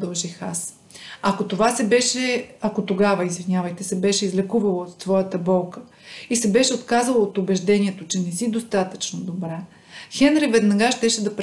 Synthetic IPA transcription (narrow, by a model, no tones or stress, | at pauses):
d̪ɐlˠʒixas | ɐkot̪ovasɛbɛʃɛɐkot̪oɡavəizvinʲavəjt̪ɛsɛbɛʃɛizlɛkuvɐlˠot̪ːvɔjət̪əbɔlˠkə | isɛbɛʃɛot̪kazəlˠoːt̪ʊbɛʒd̪ɛniɛt̪ot͡ʃɛnɛsid̪ost̪at̪ə̥t͡ʃnod̪obɾɛ | xɛnɾivɛd̪nɐɡaʃt̪ɛʃɛd̪ɐp